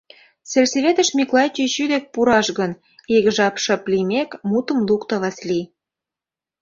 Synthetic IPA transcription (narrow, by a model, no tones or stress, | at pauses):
selʲseβet̪ə̆ʃmʲiklˠɑjt͡ɕiɕyd̪ek̚puɾɑʃɣən | iɣʒɑpʃɤ̆plimekmut̪ə̆mlukt̪ə̆βɑslʲi